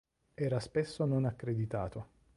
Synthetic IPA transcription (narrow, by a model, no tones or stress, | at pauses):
ɛːɾaspesːononakːɾed̪it̪aːt̪o